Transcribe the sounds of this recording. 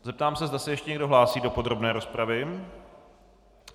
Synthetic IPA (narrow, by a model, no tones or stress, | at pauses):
zɛp̚t̪aːmsɛzd̪asɛjɛʃcɛɲɛɡdoɦlaːsiːdo̞po̞d̪ɾo̞bnɛːɾo̞spɾavɪ